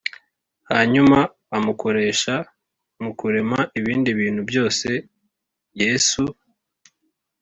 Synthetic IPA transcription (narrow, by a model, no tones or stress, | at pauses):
haɲumaː | muko̞ɾe̞ːʃa | mukuɾe̞maʔiβiːndiβiːn̥hubjo̞ːse̞ | je̞ːsu